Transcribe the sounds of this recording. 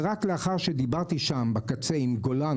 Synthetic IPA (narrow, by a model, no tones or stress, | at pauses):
ʁakleaχaʁʃed̪ibaʁt̪iʃambakat͡se̞imɡolan